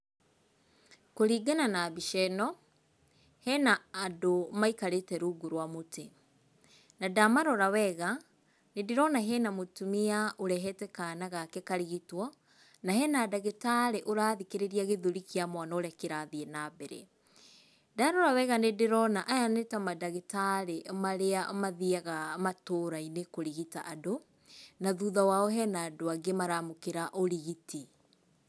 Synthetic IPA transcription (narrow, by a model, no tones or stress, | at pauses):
koɾiːɡananabiʃɛnɔ | hɛnaːdomaikaɾetɛɾuɡuɾwamote | nadamaɾɔɾawɛɣa | nedeɾɔnaɦɛnamotumiaoɾɛɦɛtɛkanaɣakɛkaɾiɣitwɔ | naɦɛnaːdaɣetaɾeʔoɾaːðikeɾeɾiaɣeðuɾikiamwanaoɾɛakeɾaðienabɛɾḛ | daɾoɾawɛɣanedeɾɔnaʔajanetamadaɣetaɾeʔmaɾeamaðiaɣamatoːɾainekoɾiɣitaʔado | naðuðawaɔɦɛnaːdoaɡemaɾamokeɾaʔoɾiɣiti